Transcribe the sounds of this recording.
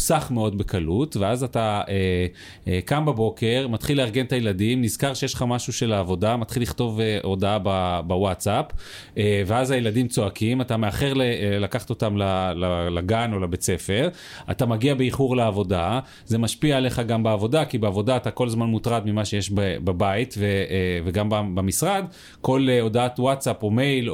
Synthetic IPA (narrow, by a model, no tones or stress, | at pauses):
saχmeo̞dbe̞kʰalutve̞azatae | kambabo̞ke̞ʁmat̪χileaʁɡe̞nt̪ajeladimniz̥kaʁʃejeʃlχamaʃuʃe̞laːvo̞damat̪χiliχto̞veʔo̞daababawatt͡sapː | veazajeladimt͡so̞akʰimatameaχeʁlelakaχato̞tamlalalaɡano̞labet͡se̞fe̞ʁ | a̰tamaɡiabeiχuʁleavo̞da | ze̞maʃpiaːleχaɡambeavo̞dakibeavo̞daːtako̞lzmanmutʁadmimaʃejeʃbebabaitveveɡambabemisʁad | ko̞leo̞daatwatsapomejl